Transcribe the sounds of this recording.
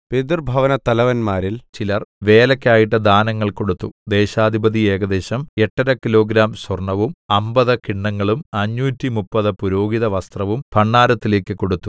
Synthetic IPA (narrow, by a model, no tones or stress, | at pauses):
ped̪rbʱɐʋɐnɐt̪ɐlɐʋɐnmaːɾilt͡ɕilɐrʋe̞ːlɐkʲːaːjiʈ̬ːɨd̪aːnɐŋːɐɭko̞ɽut̪ːud̪e̞ːɕaːd̪ʱibɐd̪ie̞ːɡɐd̪e̞ːɕɐme̞ʈːɐɾɐkilo̞ːɡɾaːmswɐrɳɐʋumɐmbɐðɨkiɳːɐŋːɐɭumɐɲːuːtːimupːɐðɨpuɾo̞ːɡiðɐʋɐst̪rɐʋumpʰɐɳːaːɾɐt̪ːile̞ːkʲːɨko̞ɽut̪ːu